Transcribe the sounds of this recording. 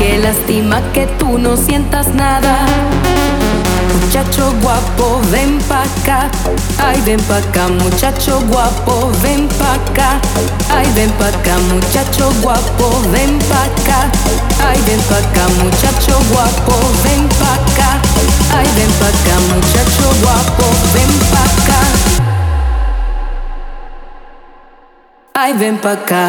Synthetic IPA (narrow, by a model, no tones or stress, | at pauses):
kelast̪imake̞t̪uno̞sje̞nt̪aznaða | mut͡ʃat͡ʃoɣwapoβempaka | ajβempakamut͡ʃat͡ʃoɣwapo | βempaka | ajβempakamut͡ʃat͡ʃoɣwapo | βempaka | ajβẽmpakamut͡ʃat͡ʃoɣwapo | βempaka | ajβẽmpakamut͡ʃat͡ʃoɣwapoβempaka | ajβempaka